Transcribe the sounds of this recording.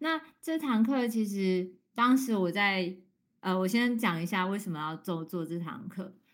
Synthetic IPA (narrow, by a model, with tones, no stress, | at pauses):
na˥˨ʈ͡ʂɤ˥˩t̪ʰɑ˧˥ŋkʰɤ˥˩t͡ɕʰi˧˥ʂ̬ɻ̩˧˥˦ | t̪ɑ˥ŋʂɻ̩˨˧˥wɔ˨˩t͡sa˥˩ɪ | ʔə˧wɔ˨˩ɕjɛ˥nt͡ɕjɑ˨˩ŋi˧˥ɕja˥˧we˥˩ɪʂə˨˩mə˦jɑ˥˧ʊt͡swɔ˥˧t͡swɔ˥˧ʈ͡ʂɤ˥˩t̪ʰɑ̰˧˥ŋkʰɤ˥˩˨